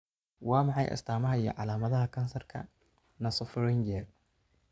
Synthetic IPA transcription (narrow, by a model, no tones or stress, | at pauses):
wɑːmɑħɑjʔɐ̰st̪ʰaːmɐɦɐijɞ̰ʕɑlaːmɐðɐɦɐkʰɐnsɐrkʰɐ̰ | nɐsɔfɾɛnd͡ʒɛr